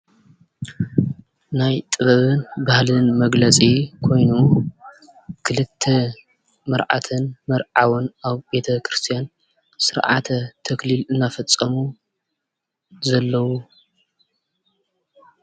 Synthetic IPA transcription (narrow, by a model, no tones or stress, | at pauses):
najt̪ʼɨβɐβɨnbahlɨnmɐɡlɐt͡sʼikʰo̞jnu | kʰɨlɨt̪ʰːe | mɐɾʕa̰t̪ʰɨnmɐɾʕawɨnʔaβbe̞t̪ʰɐkɾɨst̪ʰijan | sɨɾʕa̰t̪ʰɐt̪ʰɐklilɨnːafɐt͡sʼːɐmu | zɐlːɐwu